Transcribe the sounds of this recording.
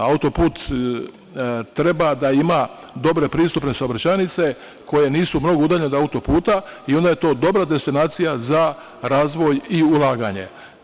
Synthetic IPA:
aut̪o̞puːt̪ | t̪ɾe̞bad̪aima | d̪o̞bɾe̞pɾiːst̪upne̞saobɾat͡ʃanit̪se̞ | kʰo̞je̞niːsumno̞ɡo̞ud̪aːʎened̪oaut̪o̞puːt̪aio̞nd̪aje̞t̪o̞ːd̪o̞bɾad̪e̞st̪inaːt̪sijaza | ɾaːzʋo̞jiulˠaːɡaɲe̞̰

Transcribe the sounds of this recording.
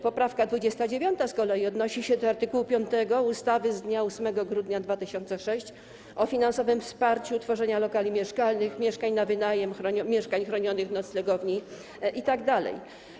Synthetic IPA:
pɔpɾafkad̪vud͡ʑɛst̪ad͡ʑevʲjɔnt̪askɔlɛjiɔd̪nɔɕiɕɛd̪ɔaɾt̪ɘkuwupʲjɔnt̪ɛɡɔust̪avɘzd̪ɲausmɛɡɔɡɾud̪ɲad̪vat̪ɘɕɔnt̪sɛʂɛɕt͡ɕ | ʔɔfʲinansɔvɘmfspaɾt͡ɕut̪fɔʐɛɲalɔkalʲimʲjɛʂkalnɘxmʲjɛʂkaɲnavɘnajɛmxɾɔɲmʲjɛʂkaɲxɾɔɲɔnɘxnɔt̪slɛɡɔvɲi | ʔit̪aɡd̪alɛ̰j

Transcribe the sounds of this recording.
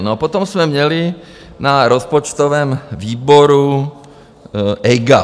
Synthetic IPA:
nopot̪omsmɛmɲɛlɪ | naɾospot͡ʃt̪ovɛːmviːboɾu | ʔɛjɡa

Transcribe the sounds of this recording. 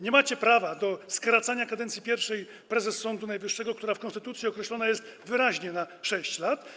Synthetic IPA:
ɲɛmat͡ɕɛpɾavad̪ɔskɾat̪saɲakad̪ɛnt̪sʲipʲjɛɾfʂɛj | pɾɛzɛsːɔnd̪unajvɘʂːɛɡɔkt̪uɾafkɔ̃nst̪ɘt̪ut̪sʲjiɔkɾɛɕlɔnajɛst̪vɘɾaʑɲɛnaʂɛɕt͡ɕlat̪

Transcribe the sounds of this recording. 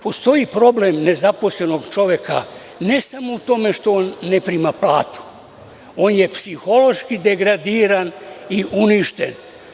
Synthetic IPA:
po̞st̪o̞ipɾo̞blemne̞zapo̞sle̞no̞ɡt͡ʃo̞ʋjeka̰ | ne̞samo̞ut̪o̞me̞ʃt̪o̞onːepɾimapla̰ːt̪u̥ | o̞nje̞psixo̞lo̞ʃkid̪e̞ɡɾad̪iːɾaniʔuniʃt̪ḛn

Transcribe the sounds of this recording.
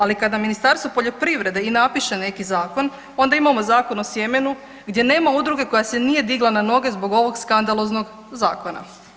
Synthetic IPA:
alikad̪aminist̪aɾst̪ʋo̞po̞ʎo̞pɾiʋɾe̞d̪einapiʃe̞ne̞kizaːko̞n | o̞nd̪aimamo̞zaːko̞no̞sje̞me̞nu | ɡd̪je̞ne̞ːmaud̪ɾuɡe̞ko̞jase̞nije̞d̪iɡlˠanano̞ɡe̞zbo̞ɡo̞ʋo̞ɡskand̪alˠo̞zno̞ɡ | zaːko̞na̰

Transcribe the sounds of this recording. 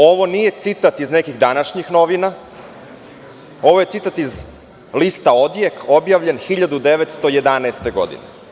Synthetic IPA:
o̞ʋo̞nije̞t̪sit̪at̪iznekiɣd̪anaʃɲixno̞ʋina | o̞ʋoje̞t̪sit̪at̪iz | list̪ao̞d̪jeko̞bjaʋʎe̞nxiʎad̪ud̪eʋet̪st̪oje̞d̪anɛːst̪e̞ɡo̞̰d̪ḭnḛ

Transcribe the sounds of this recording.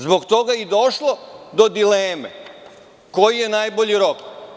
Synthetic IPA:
zbo̞ɡt̪o̞ɡaid̪o̞ʃlˠo̞d̪o̞d̪ileːmḛ | ko̞jijenaːjboʎiɾo̞k

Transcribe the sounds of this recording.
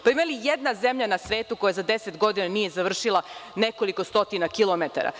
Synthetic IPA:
paimalijed̪naze̞mʎanasʋe̞ːt̪uko̞jazad̪e̞set̪ɡo̞d̪inanije̞zaʋr̩ʃilˠane̞ko̞likost̪o̞t̪inakilomet̪a̰ɾa̰

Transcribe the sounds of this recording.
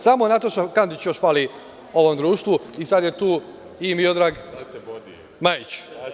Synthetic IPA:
samonat̪oʃt̪okand̪it͡ɕjo̞ʃfaːli | o̞ʋomd̪ɾuːʃt̪ʋuisad̪jet̪uː | imiod̪ɾaːɡ | majit͡ɕ

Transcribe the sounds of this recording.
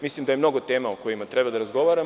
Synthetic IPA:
mislimd̪ajemno̞ɡo̞t̪e̞ːmaokojimat̪ɾebad̪aɾazɡo̞ʋaːɾa

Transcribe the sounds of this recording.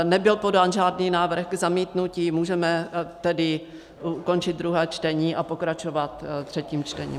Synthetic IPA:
nɛbɪlpo̞daːnʒaːdniːnaːvr̩xɡzamiːt̪nuciːmuːʒɛmɛt̪ɛdɪ | uko̞nt͡ʃɪd̪̚d̪ɾuɦɛːt͡ʃt̪ɛɲiːʔapo̞kɾat͡ʃovat̪t̪r̝̥ɛciːmt͡ʃt̪ɛɲḭː

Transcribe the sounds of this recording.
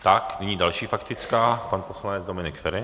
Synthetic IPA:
t̪aknɛɲiːdalʃiːfakt̪ɪt͡skaːpanposlanɛd͡zdomɪnɪkfɛɾɪ

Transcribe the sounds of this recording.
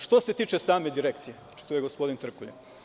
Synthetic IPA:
ʃt̪o̞se̞t̪iːt͡ʃesaːme̞d̪iɾekt̪sije | t͡ʃi̥t̪ojeɡospo̞d̪int̪r̩kuʎe

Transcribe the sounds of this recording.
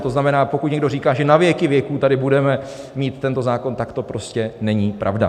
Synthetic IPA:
t̪o̞znamɛnaːpo̞kut̪ɲɛɡdoriːkaːʒɛnavjɛkɪvjɛkuːt̪adɪbudɛmɛ | miːt̪ːɛnt̪o̞zaːko̞nt̪akt̪o̞pɾo̞scɛnɛɲiːpɾʔa̰vda̰

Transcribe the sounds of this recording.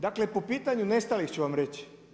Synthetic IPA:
d̪aklepopiːt̪aɲunest̪alixt͡ɕuʋamɾet͡ɕi̥

